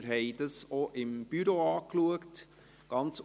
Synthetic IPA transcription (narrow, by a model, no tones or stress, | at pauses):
ɾɦɛɪdəsoʔɪmb̥yɾoɑːkluəkt | ɡ̥ɑnt͡s